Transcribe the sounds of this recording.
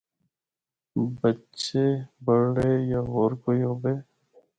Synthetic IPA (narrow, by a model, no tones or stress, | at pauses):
bətːt͡ʃeːbəɽɽeːjaɦoːɾkoːiɦobeː